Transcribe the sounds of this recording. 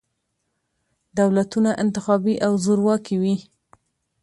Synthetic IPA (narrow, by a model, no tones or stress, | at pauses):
d̪awlat̪unaʔɪnt̪ɪxɑbiʔawzoɾwɑkiwi